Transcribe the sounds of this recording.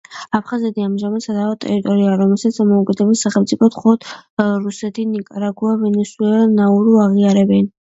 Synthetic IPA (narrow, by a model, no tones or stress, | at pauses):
apʰχazɛt̪ʰiamʒamad̪sad̪aɔt̪ʼɛ̰ɾit̪ʼɔɾiaːɾɔmɛlˠsat̪d̪amɔukʼɛd̪ɛbɛsaχɛlmt̪sʼipʰɔt̪ʰχɔlˠɔt̪ʰɾusɛt̪ʰinikʼaɾaɡuavɛnɛswɛlnauɾuaʁiaɾɛbɛn